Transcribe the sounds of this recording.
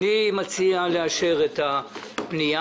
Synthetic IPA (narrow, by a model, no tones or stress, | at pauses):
imat͡sialeaʃeʁet̪a | pnija